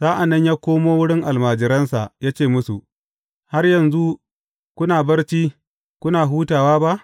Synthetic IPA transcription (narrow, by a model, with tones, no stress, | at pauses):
z̥aː˦ʔa˨nːɐ˦ɲjaː˦kʷoː˦moː˦wʊ˦ɽɪ˦ŋʔa˨lmaː˨d͡ʒɪ˨ɾɐ˦nsa˨ʔjaː˦t͡ʃeː˦˨mʊ˦su˨ʔ | ha˦rjɐ˨nzu˦ | kʷʊ˦naː˨bɐ˦rt͡ʃiː˦ | kʷʊ˦naː˨ɦuː˦taː˨waː˦ba˦ʔ